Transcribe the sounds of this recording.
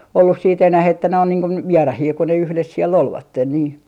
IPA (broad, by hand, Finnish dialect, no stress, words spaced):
olːus siːt enæh etːæ ne on niːŋ kun ʋierɑhiː kun ne yhles siel olʋɑtːen niː